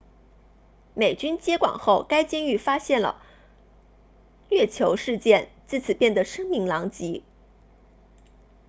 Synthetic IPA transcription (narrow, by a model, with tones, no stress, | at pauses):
me˨˩ɪt͡ɕy˥nt͡ɕjɛ˥kwɑ̰˨˩ŋxo˥˩ʊka˥ɪt͡ɕjɛ˥ny˥˩fa˥ɕjɛ˥˩nlə̰˩ | lɥɛ˥˩t͡ɕʰjo˧˥ʊʂɻ̩˥˧t͡ɕjɛ˥˧nt͡sɹ̩˥˩t͡sʰɹ̩˨˩pjɛ˥˩nd̪ə˩ʂɤ˥ŋmi˧˥ŋlɑ˧˥ŋt͡ɕi˧˥